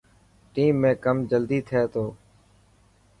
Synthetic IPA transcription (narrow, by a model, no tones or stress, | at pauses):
ʈiːmːẽːkəmd͡ʒəld̪iːt̪ʰeːt̪oː